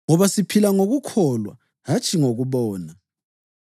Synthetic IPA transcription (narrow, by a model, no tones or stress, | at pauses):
ŋɔβasipʰilaŋoɣukʰɔlwa̰ | ɦat͡ʃʼʰiŋoɣuβɔːna